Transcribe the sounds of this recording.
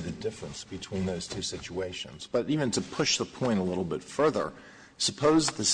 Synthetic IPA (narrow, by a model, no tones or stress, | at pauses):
ðɨdɪfɹɨ̃nsb̥ɨtʰw̥ĩnðoʊz̥tʰʉsɪt͡ʃueɪʃɨ̰̃nz̥b̥ʌɾivɨ̃ntʰɨpʰʊʃðəpʰɔ̃ɪ̃ɾ̃əlɪɾl̩ˠbɪtfɜ˞ðə̰˞ | səpʰoʊzðɨs